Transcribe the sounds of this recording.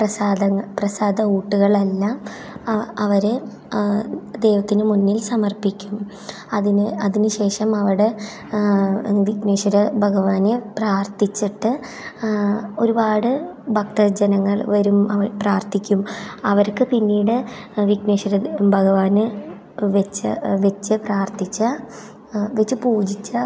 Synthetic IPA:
prɐsaːd̪ɐŋːɐprɐsaːd̪ɐuːʈːuɣɐɭelːaːm | ɐʋɐɾe | d̪e̞ːʋɐt̪ːinɨmunːilsɐmɐrpikʲːum | ɐðinɐðinɨɕe̞ːʂɐmɐʋiɽe | ʋikneːʂɐɾɐbʱɐɣɐʋaːnepraːrt̪it͡ɕːiʈːɨ | o̞ɾubaːɽɨbʱɐk̚t̪ɐrd͡ʑɐnɐŋːɐɭʋɐɾumɐʋɐpraːrt̪ikʲːumɐʋɐɾkːɨpinːiːɽɨʋikneːʂɐɾɐbʱɐɣɐʋaːnɨ | ʋet͡ɕːɐ̰ʋet͡ɕːɨpraːrt̪ʰit͡ɕːɐ | ʋet͡ɕːɨpuːd͡ʑit͡ɕːɐ

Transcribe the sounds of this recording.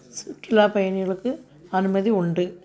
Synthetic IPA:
sʊʈːɪlaːpɐjɐnɪɣɐɭɯkːɯ | ɐnɯmɐðiʊɳɖɯ

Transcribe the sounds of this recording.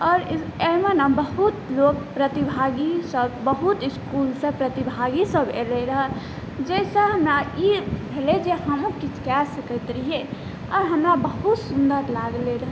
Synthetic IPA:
ɔɾemenəmbəɦut̪lok̚pɾət̪ibʱaɡisəbbəɦut̪iskulsəpɾət̪ibʱaɡisəbḛleɾəɦə | d͡ʒesə̃ɦəmɾaibʱeled͡ʒeɦəmũkit͡ʃʰkɛsəkəɪt̪ɾiɦe | ɔɾɦəmɾabəɦut̪sund̪əɾlaɡleɾəɦ

